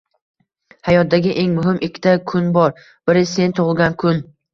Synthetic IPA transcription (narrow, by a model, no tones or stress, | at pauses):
hajɒt̪̚d̪aɡʲɪʔe̞ŋmʊɦɪmɪkʲʰːɪ̥t̪ʰakʰʊnbɒɾ | b̥ɪɾɪse̞nt̪ʰʊʁɨlˠɡʲankʰʊn